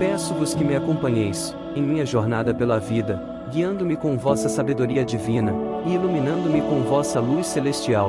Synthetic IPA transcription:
pɛsʊvʊskɪmɪakõpɐ̃ɲejs | ẽj̃mĩɲɐʒoɾnad̪ɐpelɐvid̪ɐ | ɡiɐ̃nd̪ʊmɪkõvɔsɐsabed̪oɾiɐd͡ʒivĩnɐɪilumĩnɐ̃nd̪ʊmɪkõw̃vɔsɐlujsːelest͡ʃiaw

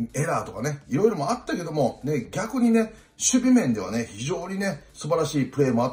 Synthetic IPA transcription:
e̞ɾaːt̪o̞kane̞iɾo̞iɾo̞mo̞at̪ːake̞d̪o̞mo̞ne̞ɡʲakɯ̟ɲ̟ine̞ | ɕɨbʲimẽ̞nd̪e̞β̞a̰ne̞çiʑo̞ːɲ̟ine̞sɨbaɾaɕiːpɯ̟ɾe̞ːmo̞at̪ː

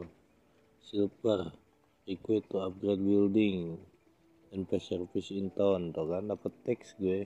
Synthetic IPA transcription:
siləp̚ər | ikuwet̪ːuap̚ɡɾed̪̚bildɪŋ | danpɛsərfisint̪ɔnt̪okandapət̪ːɛksɡuɛ

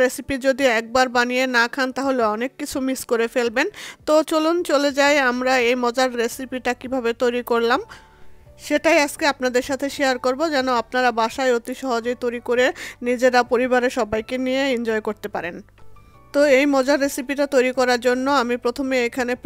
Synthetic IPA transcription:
ɾesipid͡ʑod̪iɛk̚baɾbanijenakʰant̪aɦoleɔnekːit͡ɕʰumiskoɾefelbent̪ot͡ɕolont͡ɕoled͡ʑaeamɾaejmɔd͡ʑaɾɾesipiʈakibʱabet̪ojɾikoɾlam | ʃeʈajad͡ʑkeapnad̪eɾʃat̪ʰeʃiaɾkoɾbod͡ʑɛnoap̚naɾabaʃajot̪iʃɔɦod͡ʑojt̪ojɾikoɾenid͡ʑeɾapoɾiβaɾeʃɔbajkenijeind͡ʑɔekoɾt̪epaɾen | t̪oejmɔd͡ʑaɾːesipiʈat̪ojɾikɔɾaɾd͡ʑonːoamipɾot̪ʰomeekʰane

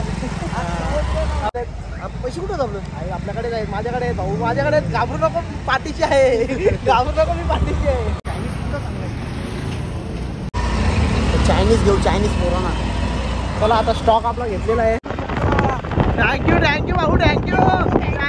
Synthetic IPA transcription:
at̪e | apəjɕikuʈət͡saplət̪aeapljakəɽed͡zaɦemad͡ʑʱjakəɽebʱaumad͡ʑʱjakəɽeɡabʱɾunɔkɔpaʈiɕiaɦeɡabʱɾunɔkomiːpaʈiɕiaɦet̪ʰajniːsuʈətakla | t͡ɕajniːsɡʱeut͡ɕajniːspoɾona | məlaːt̪asʈɔkaplaɡʱet̪lelaɦe | t̪ʰæ̃ŋkjut̪ʰæ̃ŋkjubaɦut̪ʰæ̃ŋkjuː

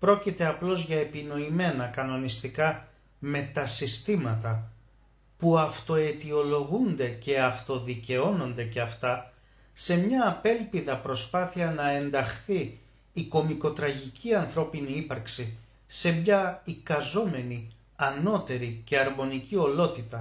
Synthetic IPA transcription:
pɾo̞cit̪e̞ɐplo̞zʝɐe̞pino̞ime̞nɐkɐno̞nist̪ikɐ | me̞t̪ɐsist̪imɐt̪ɐ | puɐft̪o̞e̞t̪io̞lo̞ɣund̪e̞ce̞ɐft̪o̞ðice̞o̞no̞nd̪e̞ce̞ɐft̪ɐ | se̞mɲɐːpe̞lpiðɐpɾo̞spɐθiɐnɐe̞nd̪ɐxθiː | ko̞miko̞t̪ɾɐʝicʰiɐnθɾo̞piniipɐɾksi | se̞mɲɐikɐzo̞me̞ni | ɐno̞t̪e̞ɾice̞ɐɾmo̞nicio̞lo̞t̪it̪ɐ

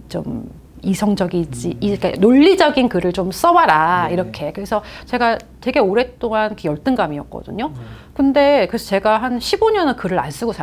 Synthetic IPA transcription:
t͡ɕo̰m | isʰʌŋd͡ʑʌɡid͡ʑik͈a̰noʎːid͡ʑʌɡinkɯɾɯɭt͡ɕoms͈ʌwaɾaiɾʌkʰe̞kɯɾe̞sʰʌt͡ɕe̞ɡatwe̞ɡe̞oɾe̞t͈oŋankʰɯjʌɭt͈ɯŋɡamiʌk̚k͈ʌ̰dɯ̰ɲo | kɯnde̞kɯɾesʰʌt͡ɕe̞ɡaɦanɕʰiboɲʌnɯkɯɾɯɾa̰ns͈ɯɡosʰa

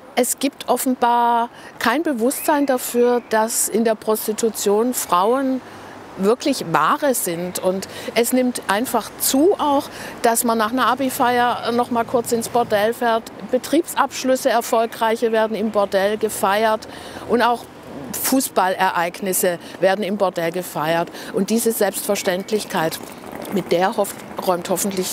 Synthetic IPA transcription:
ʔɛsɡ̥iːp̚tʰʔɔfn̩baːɐkʰaɪnbəvʊstz̥aɪndafyːɐd̥asɪndeːɐpʁ̥ɔstitʰut͡sjoːnfʁ̥aʊən | vɪɐklɪçva̰ːʁəzɪntʊntʔɛsnɪmtʔaɪnfaχt͡suːʔaʊxd̥asmanːaːχnɐʔabifaɪɐnɔχmaːlkʰʊɐt͡sɪnsb̥ɔɐdɛlfɛːɐt | b̥ətʁ̥iːpsʔapʃlʏsəɛɐfɔlkʁaɪçɐveːɐdn̩ɪmbɔɐdɛlɡəfaɪɐtʔʊntaʊx | fuːsb̥alʔɛɐʔaɪɡnɪsəveːɐdn̩ɪmbɔɐdɛlɡəfaɪɐtʔʊnt̚d̥iːzəzɛlpstfɛɐʃtɛntʰlɪçkʰaɪt | mɪt̚d̥eːɐhɔ | ʁɔʏmthɔfn̩tʰlɪç

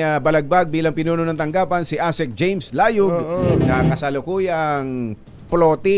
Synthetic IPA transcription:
ɐbɐlɐɡ̚baɡ̚biːlɐŋpɪnuːnonɐŋt̪ɐŋɡaːpɐnsɪʔasɛk̚d͡ʒejmslaːjʊɡnɐkɐsɐlʊkuːjɐŋ | ploːt̪ɪ

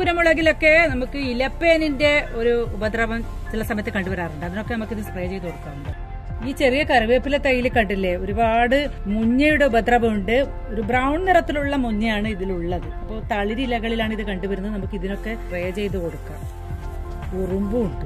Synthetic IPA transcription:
ɡuɾɐmuɭɐɣilo̞kːe̞nɐmukːɨilɐpːeːninde̞o̞ɾuːbɐd̪rɐʋɐmt͡ɕilɐsɐmɐjt̪ːɨkɐɳɖuʋɐɾaːruɳɖɨɐðino̞kːe̞nɐmukːiðinsprɐjɐt͡ɕe̞jt̪uko̞ɽukːaːmuɳɖɨ | iːt͡ɕe̞rijɐkɐɾuʋeːpːilet̪ɐjilɨkɐɳɖilːeo̞ɾubaːɽɨ | muɲːɐjuɽe̞ubɐd̪rɐbɐmuɳɖɨ | o̞ɾubrɐwɳɖnirɐt̪ːiluɭːɐmuɲːɐjaːɳɨiðiluɭːɐðɨɐpːo̞ːt̪ɐɭiɾilɐɣɐɭilaːɳiðɨkɐɳɖuʋɐɾunːɐðɨnɐmukːiðino̞kːe̞sprejɐt͡ɕe̞jt̪ːuko̞ɽukːa̰ːm | urumbuuɳɖɨ

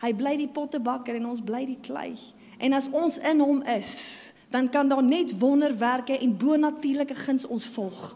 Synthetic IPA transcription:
həjbləjdipɔtəbɐkəɾɛnɔnsbləjdiklɛ̰j | ʔɛnɐsɔnsənɦɔməs | d̥ɐnkɐndɑːnɛtvɔndərværkəʔɛnbuənɐtiːrləkəχənsɔnsfɔlˠχ

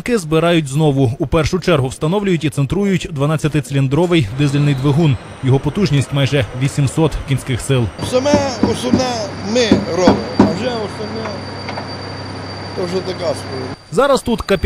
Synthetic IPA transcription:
kɪzbɪɾɑjʊtʲznɔʋʊupɛrʃʊt͡ʃɛrɦʊwst̪ɐnɔʋlʲʊjʊtʲit̪sent̪ɾujʊtʲd̪ʋɐnɑt͡sʲːɐt̪ɪt̪selʲind̪ɾɔʋɪjd̪ɪzelʲnɪjd̪ʋeɦun | jɔɦɔpɔt̪uʒnʲisʲtʲmɑjʒɛʋʲisʲimsɔt̪kʲinʲsʲkɪxsɪlˠsɐmɛɔsɔnɛmɪɾɔbɪɐʒɛɔsɐnɛ | t̪ɔʒɛt̪ɐkaspɔzɑɾɐst̪ut̪kɐpʲ

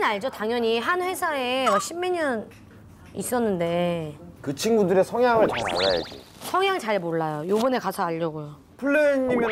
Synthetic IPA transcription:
naɭd͡ʑotaŋjʌɲiɦanɸwe̞sʰaewaɕʰimːeɲʌn | is͈ʌnːɯnde̞kɯt͡ɕʰinɡudɯɾe̞sʰʌŋjaŋɯɭkasʰaɾa̰ja̰d͡ʑḭ | sʰʌŋjaŋɯɭt͡ɕaɭmoɭːajojobʌne̞kasʰʌaʎːʌɡojo | pʰuɭːeɲːim

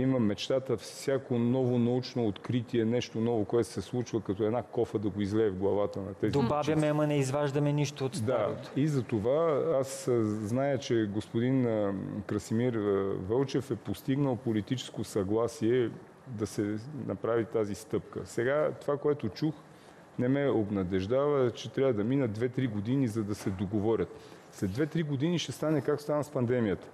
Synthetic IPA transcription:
iməmɛt͡ʃt̪at̪əfsʲakonɔvonɐut͡ʃnoːt̪kɾit̪iɛnɛʃt̪onɔvokoɛt̪o̥sɛslˠut͡ʃvəkɐt̪ɔɛd̪nakɔfəd̪ɐɡoizlɛːvɡlˠɐvat̪ənɐt̪ɛzid̪obavʲjɐmɛɐmənɛizvaʒd̪ɐmɛniʃt̪oːt̪std̪a̰t̪o̥izɐt̪ovaasznajət͡ʃɛɡospod̪inkɾəsimiɾvɤlˠt͡ʃɛfɛpost̪iɡnəlˠpolit̪it͡ʃɛ̥skosɐɡlˠasiɛ | d̪ɐsɛnʔɐ̰pɾavit̪azist̪ɤpkə̰sɛɡat̪ovakoɛt̪ot͡ʃux | nɛmɛobnɐd̪ɛʒd̪avət͡ʃɛt̪ɾʲavəd̪ɐminəd̪vɛt̪ɾiɡod̪inizɐd̪ɐsɛd̪oɡovɔɾʲət̪slɛd̪vɛt̪ɾiɡod̪iniʃt̪ɛst̪anɛkakst̪anəspɐnd̪ɛmijət̪ə̥

